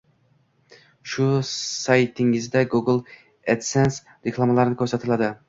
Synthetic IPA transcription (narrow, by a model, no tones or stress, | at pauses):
ʃʊsajt̪ʰɪŋɪzd̪aɡuɡlˠ | et̪sens | ɾekʰlˠamalaɾɪnɪkʲʰɵɾsat̪ʰɪlad̪ɪ